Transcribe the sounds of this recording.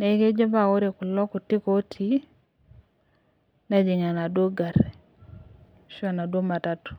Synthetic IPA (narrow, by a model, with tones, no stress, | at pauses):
ne˨˦ke˦d͡ʒɔ˦ba˨o˦ɾe˨ku˨lɔ˦ku˨ti˦ko˦tʰi˦ | na˦d͡ʒi˨ŋa˨na˨do˦ɡa˨ɾ | ʃɔ˦na˨dwo˦ma˨ta˦tu̥˨